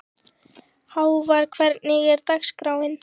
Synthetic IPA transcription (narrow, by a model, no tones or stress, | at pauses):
hawvaɾkʰvɛɾknɪɣɪɾt̪akskɾawɪn